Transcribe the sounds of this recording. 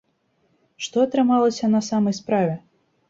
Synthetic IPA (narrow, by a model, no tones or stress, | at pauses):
ʂt̪ɔɐt̪ɾɨmalˠɐsʲɐnɐsamɐjspɾavʲɛ